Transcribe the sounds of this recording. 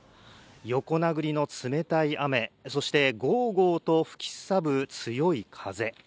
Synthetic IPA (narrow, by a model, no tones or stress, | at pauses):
jo̞ko̞naɡɯ̟ɾʲino̞t͡sɨme̞t̪aiʔame̞so̞ɕi̥t̪e̞ɡo̞ːɡo̞ːt̪o̞ɸɯ̥kʲi̥sabɯ̟t͡sɨjo̞ikʰaze̞